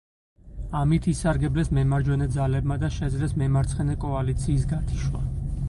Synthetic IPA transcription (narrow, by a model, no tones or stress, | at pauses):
amit̪ʰisaɾɡɛblɛsmɛmaɾd͡ʒwɛnɛd̪zalɛb̚mad̪aʃɛd̪zlɛsmɛmaɾt̪sʰχɛnɛkʼɔalit̪sʰiːs̬ɡat̪ʰi̥ʃwa̰